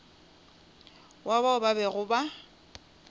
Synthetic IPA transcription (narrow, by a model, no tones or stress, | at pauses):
waβaʊbabɛɣʊba